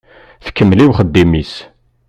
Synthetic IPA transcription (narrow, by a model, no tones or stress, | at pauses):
θkːəmːliwχəd̪ːimis